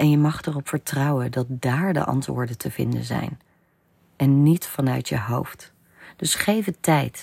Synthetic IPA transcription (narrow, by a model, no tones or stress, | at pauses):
ʔɛnjəmɑχtɛrɔpfəɹtrɑwəndɑt̚daːɹdə̰ʔɑ̰ntʋʊ̰ːɹdəntʰəv̥ɪ̰ndə̰nzɛ̰jn | ʔɛnːitfɑnœɥtjəɦowft | d̥ɵsχejvətɛjt